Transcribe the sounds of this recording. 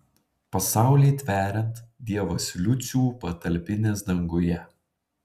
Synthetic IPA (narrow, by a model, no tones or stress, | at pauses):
pɐsɑˑʊlʲeːt̪ʲʋʲæːɾʲɛnt̪d̪ʲiɛʋosʲlʲʊt̪sʲuːpɐt̪ɐlʲpʲɪnʲeːsd̪ɐŋɡʊjɛ